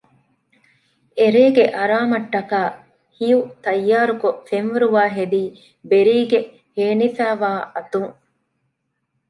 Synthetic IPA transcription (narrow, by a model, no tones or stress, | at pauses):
eɾeːɡeʔɐɾaːmɐʈːɐkaː | hijut̪ɐjːaːɾukofenʋeɾuʋaːɦed̪iː | beɾiːɡe | heːnifæːʋaːʔɐt̪uŋ